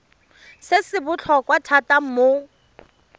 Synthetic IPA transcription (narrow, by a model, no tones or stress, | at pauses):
sɪsɪbʊt͡ɬʰɔkwatʰatam̩mo